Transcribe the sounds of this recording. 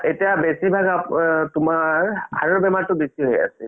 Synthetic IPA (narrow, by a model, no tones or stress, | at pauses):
etijabesibʱaɡaptʊmaɹhaɹɔbɛmatʊbesiɦoja̰sɛ